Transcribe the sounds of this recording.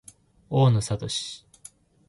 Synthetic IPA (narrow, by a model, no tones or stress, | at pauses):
oːnosat̪oɕi̥